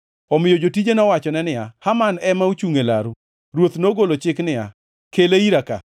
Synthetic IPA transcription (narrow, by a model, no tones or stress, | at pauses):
ɔmɪjod͡ʒotid͡ʒenɔwat͡ʃɔnɛnɪahamanɛmaut͡ʃuŋelaɾu | ɾwot̪noɡolot͡ʃɪknɪa | keleiɾaka̰